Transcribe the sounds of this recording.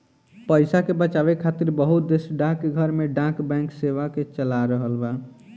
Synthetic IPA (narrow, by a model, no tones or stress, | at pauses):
pəjsakebət͡ʃaβekʰːat̪iɾbəɦut̪̚d̪esɖãkɡʱəɾmeɖãkbɛ̃ŋkseʋaket͡ʃəlaɾəɦəlba